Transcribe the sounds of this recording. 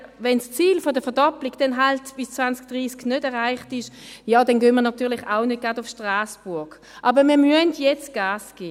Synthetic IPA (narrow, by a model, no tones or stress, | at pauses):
vɛnst͡siːlfɔdəfɛɐdɔplɪɡd̥ɛnɦaltb̥ɪst͡svant͡sk̚d̥ʁiːsknødɛɐʁaɪχtɪʃjaːdɛnɡøːnmiːɐnɔtyːɐlɪχaʊnəd̚ɡ̥adʊfʃtʁaːsb̥ʊɐɡ | ʔɑːbəmiːɐmyəntjɛt͡sɡ̥aːsɡ̥eː